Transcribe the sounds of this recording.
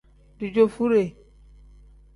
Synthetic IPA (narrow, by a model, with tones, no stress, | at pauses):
di˨d͡ʒo˨fu˦ɾe˨